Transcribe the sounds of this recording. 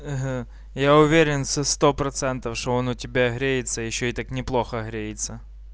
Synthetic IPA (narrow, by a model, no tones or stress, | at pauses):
ɦ̩ | jaʊvʲeɾʲɪnsɐst̪opɾɐt̪sɛnt̪ɐfʂt̪oɔnʊtʲɪbʲaɦɾʲejɪt̪səjɪɕːoit̪aknʲɪplˠoxɐɦɾʲejɪt̪sɐ